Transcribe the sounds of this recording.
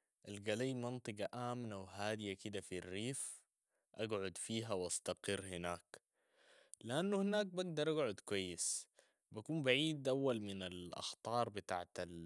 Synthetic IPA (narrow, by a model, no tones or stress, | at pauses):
ʔalɡaliːmɑnt̪ˤɨɡɑʔaːmnawɦaːd̪ɪjakɪd̪afirːiːf | ʔaɡʕʊd̪fiːɦawʔɑst̪ɑqɪrːhɪnaːk | lɪʔanːuhɪnaːk̚baɡ̚d̪ɑɾˤʔaɡʕʊd̪kwajːɪs | bakuːmbaʕiːd̪ʔawːalmɪnalʔɑ̰xt̪ˤɑːɾˤbɪt̪aːʕt̪al